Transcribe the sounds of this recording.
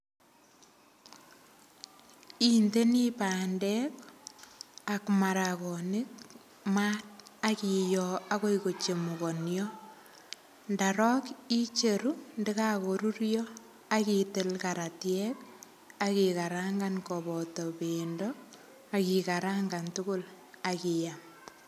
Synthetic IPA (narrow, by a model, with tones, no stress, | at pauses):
inde˦ni˦paːndɛk | a˨kma˨ɾakɔ˨nɪ˦k̚ | ma˦t̚a˦ki˨jɔa˦ko˦iko˨t͡ʃe˨mu˨ko˨njɔ˦ | ndaɾɔ˦ki˦t͡ʃe˨ɾu˦nde˦ka˦koɾu˦ɾjɔ | a˦kitɪ˦lkaɾa˨tjɛk | a˦kika˨ɾaŋɡankɔbɔ˨tɔ˨pendɔ | a˨kika˨ɾaŋɡa˨ntʊ˦kʊ˦l | a˨kijam